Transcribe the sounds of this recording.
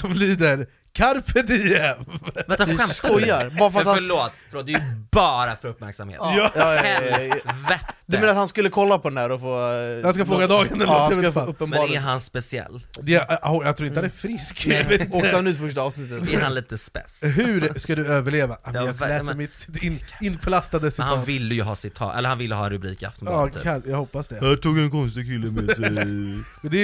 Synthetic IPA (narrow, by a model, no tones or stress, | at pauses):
sɔmliːd̪əɾ | kʰaɾpət̪ɪjɛmdskɔjːaɾbɑːɾafəɾat̪haɭoːt̪fɭoːt̪̚d̪ɛjbɑːɾa̰fœɾɵpmæ̰ɾksa̰mhḛːt̪jɑːjɑ | vɛd̪ɵmenəɾat̪hanskɵlːəkʰɔlːapʰɔd̪ɛnæːɾɔfoːhanskafoːɡad̪ɑːɡənd̪ɛsfɵppːənbɑːɾɛanspɛsɪɛ̰lːd̪ɛhɔjɑɡt̪ʰɾuːɾɪnt̪hanɛɾfɾɪskveoːk̪aanʉ̟ːt̪fœʂ̬ʈaɑːvsnɪt̪ːət̪ɛhanliːt̪əspɛ̰sɦʉɾskad̪ɵøːvəɭeːvajalɛːsəɾmɪt̪sɪ̥t̪ɪnɪnːpʰlast̪ad̪əsɪt̪havɪlːəjɵɦɑːsɪt̪ʰːɑ̰ːɛ̰ləɾhanvɪlːəɦɑːɛnɾʉbɾḭːka̰ft̪ɔmɑajaɡhɔpːasd̪ɛhæʈʰuːɡɛnkʰɔns̬t̪ɪkʰɪlːəmɛsɛ | d̪ɛ